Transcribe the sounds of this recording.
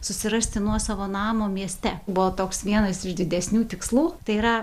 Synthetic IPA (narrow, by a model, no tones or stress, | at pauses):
sʊsʲɪɾɐsʲt̪ʲɪnuɔsɑːʋoːnɑːmoːmʲiɛsʲt̪ʲɛbʊʋoːt̪oːksʋʲiɛnɐsɪʒd̪ʲɪd̪ʲɛsʲnʲuːt̪ʲɪkslˠuːt̪ɐɪiːɾɐ